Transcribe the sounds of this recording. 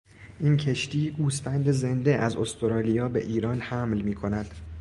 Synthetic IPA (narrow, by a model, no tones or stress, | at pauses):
ʔincʰe̞ʃt̪iːɡuːsfænd̪e̞ze̞nd̪e̞ʔæzo̞st̪oɾɒːlijɒːbe̞̰ʔiːɾɒːnhæmlmiːkʰo̞næd̪̥